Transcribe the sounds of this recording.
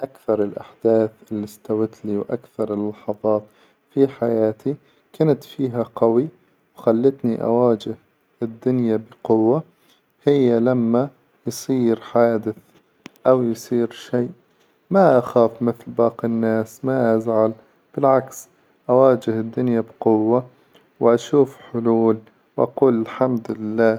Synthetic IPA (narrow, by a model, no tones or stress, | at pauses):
ʔakθɑɾˤɪlʔa̰ħd̪aːθʔɪlːist̪awɪt̪liːwʔa̰kθɑɾˤɪlːɑħɑðˤɑːt̪ | fiħajaːt̪i | kant̪fiːɦaqɑwi | wxalːɪt̪niʔa̰waːd͡ʒɪh | ʔɪd̪ːʊnjabɪqʊwːa | hɪjːalamːa | jsˤiːɾħaːd̪ɪθ | ʔawjsˤiːɾʃeːʔ | maʔaxaːfmɪθlbɑːqinːaːsmaʔazʕal | b̥ɪlʕaks | ʔawaːd͡ʒɪhɪd̪ːʊnjabqʊwːa | wʔaʃuːfħʊluːl | wʔa̰quːlɪlħamd̪lɪlːaː